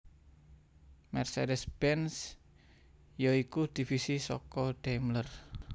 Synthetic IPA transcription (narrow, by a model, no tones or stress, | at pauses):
mɛrsedɛsb̥ɛns | joikud̪̥i̤fisisɔ̰kɔɖ̥amlər